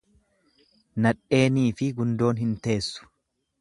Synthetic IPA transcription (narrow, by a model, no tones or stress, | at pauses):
nɐᶑe̞ːniːfɪɡʊnd̪o̞ːnɦɪnt̪e̞ːsːʊ̥